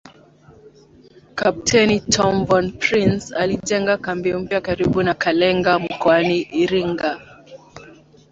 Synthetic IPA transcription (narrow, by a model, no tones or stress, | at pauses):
kap̚tʰɛnitʰɔmvɔnpɾinsalid͡ʒɛŋɡakambiɔm̩pjakaɾiɓunakalɛŋɡam̩kɔaniʔːɾiŋɡa